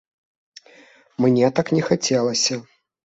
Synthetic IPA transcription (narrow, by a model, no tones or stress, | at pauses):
mnʲɛt̪aknʲɛxat͡sʲɛlˠɐsʲɐ